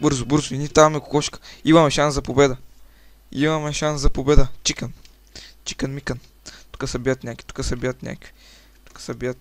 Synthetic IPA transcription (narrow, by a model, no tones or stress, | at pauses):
bɤɾzʊbɤɾzʊinʲit̪avmɛko̥kɔʃkə̥imɐmɛʃanszɐpobɛd̪ə | imɐmɛʃanszɐpobɛd̪ət͡ʃikən | t͡ʃi̥kənmikən | t̪u̥kəsɐbiət̪nʲakvi̥t̪u̥kəsɐbiət̪nʲʔa̰kvi̥ | t̪u̥kə̥sɐbiət̪̚